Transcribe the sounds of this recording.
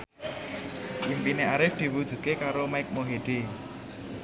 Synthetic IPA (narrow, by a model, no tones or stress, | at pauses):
ʔimpineaɾɪfd̪̥i̤wud̥ʒ̥ṳt̪̚kekaɾomaɪk̚moɦeɖ̥e